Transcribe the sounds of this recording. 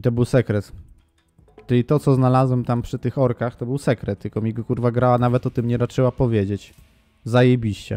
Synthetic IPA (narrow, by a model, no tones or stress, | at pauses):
it̪ɔbɘwsɛkɾɛt̪ | t͡ʂɘlʲit̪ɔt̪sɔznalazwɛmt̪ampʂɘt̪ɘxɔɾkaxt̪ɔbɘwsɛkɾɛt̪̚t̪ɨkɔmʲiɡɔkuɾvaɡɾawanavɛt̪ɔt̪ɘmɲɛɾat͡ʂɘwapɔvʲjed͡ʑet͡ɕ | zajejbʲiɕt͡ɕɛ̰